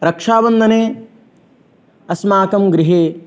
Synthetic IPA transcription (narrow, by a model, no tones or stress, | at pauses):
ɾɐkʂaːbɐnd̪ʱɐneː | ɐsmaːkɐmɡɾiɦeː